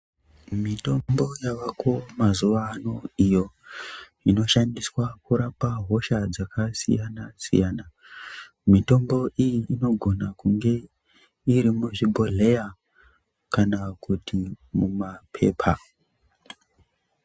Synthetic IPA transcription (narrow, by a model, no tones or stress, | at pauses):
mito̞mbo̞jaʋakomazuʋaːno̞ijo̞ | ino̞ʃandiswakuɾapaɦo̞ʃad͡zakasḭjanasḭjana | mito̞mbo̞ʔijiʔino̞ɡʱo̞nakuŋɡe̞ | iɾimuʐibʱo̞ɮe̞ja | kanakutʰimumapʰe̞̰ːpʰa